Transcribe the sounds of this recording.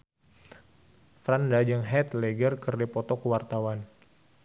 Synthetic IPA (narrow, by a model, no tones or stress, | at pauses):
fɾandad͡ʒəŋɦɛt̪leɡərkərdipɔt̪ɔkəwart̪awan